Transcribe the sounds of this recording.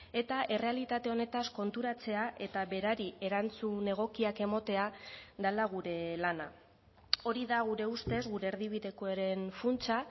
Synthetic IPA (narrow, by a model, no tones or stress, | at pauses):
e̞t̪aʔe̞re̞alit̪at̪e̞o̞ne̞t̪asko̞nt̪uɾat͡se̞aʔe̞t̪aβe̞ɾaɾie̞ɾant͡sune̞ɣ̞o̞kiake̞mo̞t̪e̞aðalaɣ̞uɾe̞lana | o̞ɾiðaɣuɾe̞ust̪e̞zɣuɾe̞ːɾðiβ̞iðe̞koeɾe̞nfunt͡sa